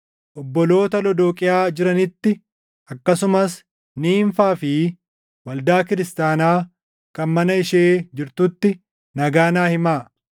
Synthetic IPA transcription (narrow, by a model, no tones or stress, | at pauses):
ʔɔbːɔlo̞ːt̪ɐlɔd̪oːkʼɪjaːd͡ʒɪɾɐnɪt̪ːɪ | ʔɐkːɐsʊmɐs | niːɱfaːfɪ | wɐld̪aːkɪɾɪst̪aːnaː | kɐnmɐnɐɪʃeːd͡ʒɪɾt̪ut̪ːɪ | nɐɡaːnaːhɪmaː